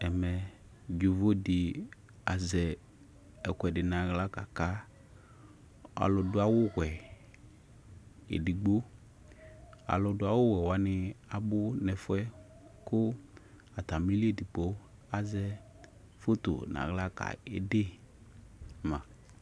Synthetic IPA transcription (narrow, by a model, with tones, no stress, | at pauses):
ɛ˨mɛ˨ | d͡ʒu˨vo˦dɪ˨ | a˨zɛ˨ | ɛ˨kʷɛ˨dɪ˨nã˨ɣla˦ka˨ka˦ | a̰˨lɔ˨dʊ˦a˨wʊ˦ɣwɛ˨ | ḛ˨di˨ɡ͡bo˦ | a̰˨lɔ˨dʊ˦a˨wʊ˦ɣɛ˨wa˦nɪ˦a˨bʊ˦nɛ˨fʊ˦ɛ˦ | kʊ˦ | a˨t̪a˨mi˦li˦e˨di˨k͡po˦ | a˨zɛ˦ | fo˦t̪o̰˨nã̰˨ɣla˦ka̰˨ḛ˦de˦ | mã˨